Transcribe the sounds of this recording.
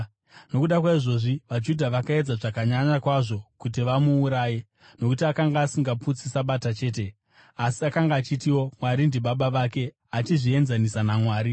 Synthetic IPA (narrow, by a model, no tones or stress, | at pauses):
no̞kuɗakwaiʐo̞ʐiʋad͡ʒudʱaʋakae̞d͡zaʐakaɲaɲakwaʐo̞kutiʋamuːɾaːje | no̞kutiakaŋɡaːsiŋɡaput͡sisaɓatat͡ʃe̞ːt̬e̞ | asiakaŋɡaːt͡ʃitiwo̞mwaɾindiɓaɓaʋake̞ | at͡ʃiʐie̞nzanisanamwaːɾi